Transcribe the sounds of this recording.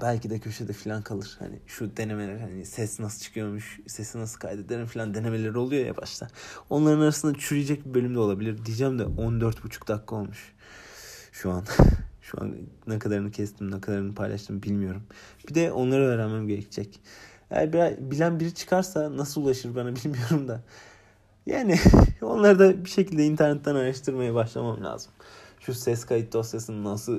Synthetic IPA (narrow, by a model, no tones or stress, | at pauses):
b̥ælʲcid̪ɛcʰø̞ʃɛd̪ɛfilʲankʰalˠɯɾ̥ha̰nḭʃud̪e̞neme̞lʲæɾhanisɛsinasɯlˠt͡ʃʰɯ̥kʰɯjo̞ɾmuʃsɛsinasɯkʰajd̪ed̪eɾimfilʲand̪e̞ne̞me̞lʲe̞ɾio̞lˠujo̞ja̰ba̰ʃt̪ʰˠao̞nlˠaɾɯnaɾasɯnd̪at͡ʃʰyɾijed͡ʒɛc̚bibø̞lʲymd̪ɛo̞lˠabilʲiɾd̪ijid͡ʒæmd̪ɛond̪øɾt̪but͡ʃʰu̥k̚d̪akʰːɯo̞lˠmuʃ | ʃuanʃṵa̰nnɛkʰad̪aɾɯnɯcʰɛst̪ʰimnɛkʰad̪aɾɯnɯpʰajlˠa̰ʃt̪ʰɯmbilʲmijo̞ɾumb̥id̪ɛʔo̞nlˠaɾaveɾɛmæmɟe̞ɾɛcʰid͡ʒɛc | ḛjæ̰ɾbiɾazbilʲænbiɾit͡ʃʰɯ̥kʰaɾsanasɯlˠulˠaʃɯɾbanabilʲmijo̞ɾumd̪a | ja̰ːnio̞̰nlˠaɾd̪abiʃe̞cilʲd̪ɛint̪ʰæɾnɛt̪ːænaɾaʃt̪ʰɯɾmajabaʃlˠa̰mamlʲa̰ːz̥ɯm | ʃusɛskʰajit̪̚d̪osjasɯnɯnːasɯlˠ